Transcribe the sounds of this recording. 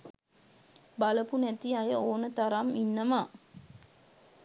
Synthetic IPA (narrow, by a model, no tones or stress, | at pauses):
baləpunæt̪iajəoːnət̪aɾaminːəmaː